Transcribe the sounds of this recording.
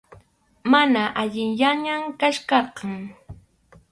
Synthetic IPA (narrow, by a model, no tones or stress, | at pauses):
manaʔaʎɪŋjaɲamkaʃkɑɾqɑŋ